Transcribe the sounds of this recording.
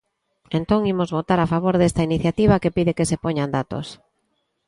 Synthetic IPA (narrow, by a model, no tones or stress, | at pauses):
ẽnt̪oŋimozβot̪aɾafaβ̞oɾðest̪ainiθjat̪iβakepiðɪkesepoɲand̪at̪o̰s